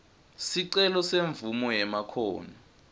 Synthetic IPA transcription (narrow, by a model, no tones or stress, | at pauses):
siǀɛlɔseɱvumɔjɛmakʰoːni